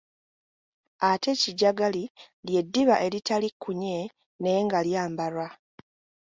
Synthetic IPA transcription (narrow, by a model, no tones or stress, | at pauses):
ate̞ciɟaɡali | lje̞dːiβaʔe̞ɾitalikʰːuɲe̞ | ne̞ŋɡaljaːmbaɾwa